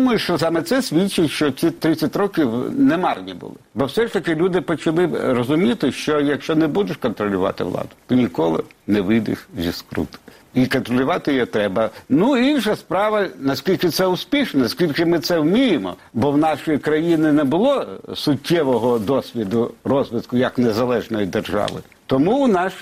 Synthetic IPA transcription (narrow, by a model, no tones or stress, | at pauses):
mɐjʊʃt͡ʃɔsɑmɛt̪sɛsʲʋʲit͡ʃɪtʲʃt͡ʃɔsʲit̪ɾɪt͡sʲːɐtʲɾɔkʲiwnɛmɑrnʲḭbʊ̰lˠɪ̰bɔwsɛʃt̪ɐkɪlʲud̪ɪpɔt͡ʃɐlˠɪrɔzʊmʲit̪ɪʃt͡ʃɔjɐkʃt͡ʃɔnɛbud̪ʊʃkɔnt̪ɾɔlʲʊʋɑ̰t̪ɪ̰ʋlˠɑ̰d̪ʊ̥t̪ɔnʲikɔlˠɪ̰nɛʋɪd̪ɪ̰xzʲḭskɾṵt̪ɪ̥ | ikɔnt̪ɾɔlʲʊʋɑt̪ɪjjɔt̪ɾɛbɐnuinʃɐspɾɑʋɐnɐskʲilʲkɪt̪sɛʊspʲiʃnɐnɐskʲilʲkɪmɪt̪sɛwmʲijɪmɔ̰bɔwnɑʃɔjikɾɐjinɪnɛbʊlˠɔsʊtʲːɛʋɔɦɔd̪ɔsʲʋʲid̪ʊrɔzʋɪt̪kʊjɐknezɐlˠɛʒnɔjid̪erʒɑ̰ʋɪ̰ | t̪ɔmuwnɑʃ